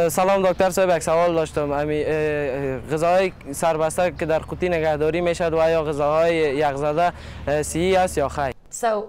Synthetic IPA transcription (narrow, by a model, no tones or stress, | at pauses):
salɔmd̪ɔk̚t̪aɾsɔjbjaksawɔld̪ɔʃt̪omami | ɣɪzaɦɔjsaɾbast̪akɪd̪aɾqut̪inɪɡahd̪ɔɾimeʃad̪wajɔɣɪzaɦɔjejaqzad̪a | siiast̪jɔxaj